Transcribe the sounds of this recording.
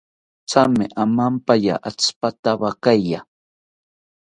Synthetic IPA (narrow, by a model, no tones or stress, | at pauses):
t͡samɪʔamampaja̰ʔat͡spat̪aβakajja